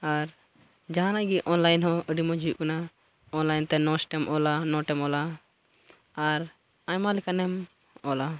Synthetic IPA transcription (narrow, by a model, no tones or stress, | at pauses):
aɾ | d͡ʒaɦãnaɡiʔɔnlajnɦɔ̃əɖimɔd͡ʒiuʔkɔna | ɔnlajnt̪ɛnɔsʈɛmʔɔlanɔʈɛmɔla | ɾ | aɲmalikanɛm | ɔla